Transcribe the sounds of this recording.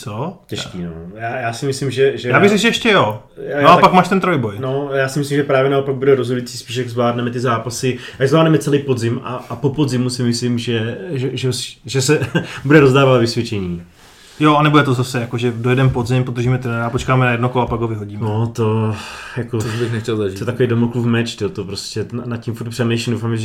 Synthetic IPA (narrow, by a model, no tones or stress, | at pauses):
t͡socɛʃkiːno̰jaːjaːsɪmɪslɪmʒɛʒɛjaːbɪɣzɛɡʒɛɛʃcɛjo | aoapakmaːʃt̪ɛnt̪ɾojbojnojaːsɪmɪs̬limʒɛpɾaːvjɛnaopaɡ̚budɛɾozɦodujit͡siːspiːʃ̬jaɡzvlaːdnɛmɛt̪ɪzaːpasɪjaɡzvlaːdnɛmɛt͡sɛlejpo̞dzɪmaːpo̞po̞dzɪmusɪmɪslɪmʒɛʒɛʒɛosʒɛsɛbudɛɾo̞zdaːvalvɪsvʲjɛt͡ʃɛɲiː | joanɛbojɛt̪ozasɛjakoʒɛdojɛdɛmpozɪmpod̪r̩ʒiːmɛt̪ɪnadaːpot͡ʃkaːmɛnajɛdnokoloapaɡɦovɪɦoɟiːmnot̪o̞jakoobɪxnɛxtɛlzaʒitɛt̪atkoejdomokluvmɛt͡ʃt̪ɪot̪opɾoscɛnacimfuɾrt̪̚pr̥ɛmɛjʃindowfaːmɛʒ